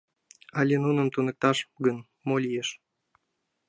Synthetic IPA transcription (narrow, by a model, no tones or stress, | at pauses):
ɑlʲenunə̆mt̪unə̆k̚t̪ɑʃɡən | molʲijeʃ